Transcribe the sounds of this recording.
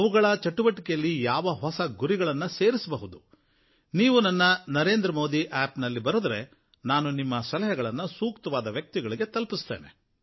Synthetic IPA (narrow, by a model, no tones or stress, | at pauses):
ɐʋuɡɐɭɐt͡ʃɐʈːuʋɐʈːikɛjɐlːijaːʋɐɦɔsɐɡuɾiɡɐɭɐnːuse̞ːɾisɐbɐɦud̪u | niːʋunɐnːɐnɐɾe̞ːnd̪ɾɐmo̞ːd̪iʔaːpnɐlːibɐɾuːd̪ɐɾe̞ | naːnunimːɐsɐlɐɦɐɡɐɭɐnːusuːkt̪ɐʋaːd̪ɐʋjɐk̚t̪iɡɐɭiɡe̞t̪ɐlpist̪eːne̞̰